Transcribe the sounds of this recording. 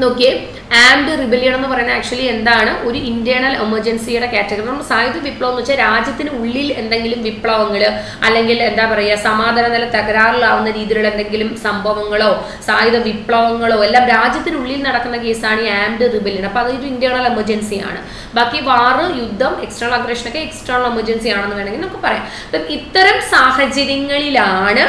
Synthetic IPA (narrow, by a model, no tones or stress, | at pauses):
nokːe | aːmɖɨribeljɐɳe̞nːɨpɐrɐjnːaaːk̚t͡ɕuɐlːie̞nd̪aːɳɨʔo̞ɾuindjɐɳɐlemɐrd͡ʑɐnsijuɽe̞kaːtːɐkːrnɐmːɐsaːjuðɐʋipːɭɐʋɐnːuʋt͡ɕːɐɾaːd͡ʑjɐt̪ːinɨuɭːile̞nd̪e̞ŋɡilumʋipːɭɐʋɐŋːɐɭ | ɐlːe̞ŋɡile̞nd̪aːpɐrɐjasɐmaːd̪ʱaːnɐnɐlːɐt̪ɐɣɐɾaːrilaːʋunːɐɾiːðiɣɐɭe̞nd̪e̞ŋɡilumsɐmbʱɐʋɐŋːɐɭo̞ː | saːjuðɐʋipɭɐʋɐŋːɐɭo̞ːe̞lːaːmɾaːd͡ʑjɐt̪ːinɨuɭːilnɐɽɐkːunːɐke̞ːsaːɳiaːmɖɨribɐlːiɳɐpːoːɐðoɾuindjaːɳɐːlɐmɐd͡ʑɐnsija̰ːɳɨ̰ | bʱaːkːiʋaːrɨjud̪ʱːɐmeksʈɐrɐɐɡrɐʂɐnokːeeksʈɐːrnɐɭɐmɐd͡ʑɐnsijaːɳenːɨkaɳeŋɡilnɐmɐkːɨpɐrɐja̰ːm | pɐmit̪ːɐɾɐmsaːhɐd͡ʑɐɾɐŋːɐɭilaːɳɨ